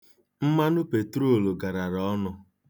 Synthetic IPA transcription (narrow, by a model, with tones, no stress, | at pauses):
m̩˦ma˦nʊ˦pe˨tɾo˦˨lo˨ɡa˨ɾa˨ɾɔ˨˦nɔ˨